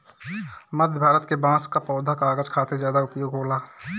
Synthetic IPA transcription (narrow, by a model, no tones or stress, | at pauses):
məd̪ʱjbʱaːɾət̪kebãːskapɔːd̪ʱakaːɡəd͡ʒkʰaːt̪ezjaːd̪aʊpjoːɡɦoːlaː